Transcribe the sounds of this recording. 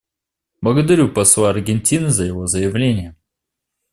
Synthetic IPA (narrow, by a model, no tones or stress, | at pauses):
blˠəɡəd̪ɐɾʲupɐsˠaːrɡʲɪnʲtʲinɨzəjɪvo̞zəjɪvlʲenʲɪjə